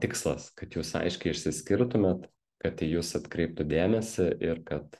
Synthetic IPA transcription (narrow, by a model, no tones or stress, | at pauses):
t̪ʲɪkslˠɐskɐt̪juːsɐ̰ɪʃʲkʲɛɪɪʃʲsʲɪsʲkʲɪɾt̪ʊmʲɛt̪ | kɐt̪ʲijuːsɐt̪kɾʲɛɪp̚t̪ʊd̪ʲæːmʲɛsʲɪʔɪɾkɐt̪